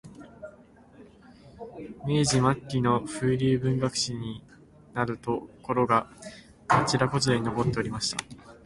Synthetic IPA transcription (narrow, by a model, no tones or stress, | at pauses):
me̞ːʑimakːʲino̞ɸɯːɾʲɯːbɯ̟̃ŋɡakɯ̟̥ɕiɲ̟i | naɾɯ̟t̪o̞ko̞ɾo̞ɡa | at͡ɕiɾako̞t͡sɨeino̞bo̞t̪ːe̞oɾʲimaɕi̥t̪a̰